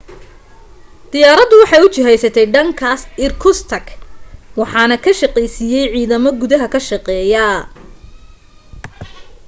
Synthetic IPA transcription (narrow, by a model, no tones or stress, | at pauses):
d̪̥ɪjaːɾɐðʊwɑħɑjʊt͡ʃɪɦɛjsɐt̪ʰɛjɖɐŋkʰaːsɪrkʰʊst̪ʰɐkwɑħɑːnɐkʰɐʃɐqɛjsijɛjʕiːðɐmɔɡʊðɐɦɐkʰɐʃɑqɛːjɐ